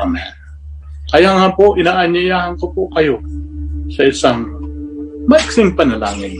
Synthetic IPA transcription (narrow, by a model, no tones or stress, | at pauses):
mɛn | kɐjaŋapoʔɪnaːʔɐɲjɐjaːhɐnkopokɐjo̞ | sɐʔɪsaŋ | maksɪŋpɐnɐla̰ːŋɪn